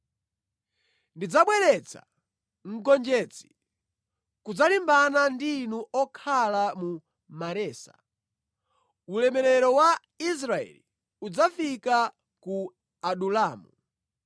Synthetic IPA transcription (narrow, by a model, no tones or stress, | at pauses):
ndid͡zaɓwɛɾɛt͡sa̰ | ŋ̩kɔnd͡ʒɛt͡si̥ | kud͡zalimbanandinuʔɔkʰalamu | maɾɛːsa | ulɛmɛɾɛɾɔwa | is̬ɾaɛ̰li | ud͡zafika | ku | aɗulaːmu